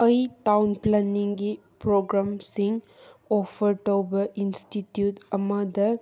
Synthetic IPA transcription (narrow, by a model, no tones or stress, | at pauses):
ɐjtawnplɐniŋɡi | pɾoɡɾamsiŋ | opʰɐɾʈowbɐʔinstitjutɐmɐdɐ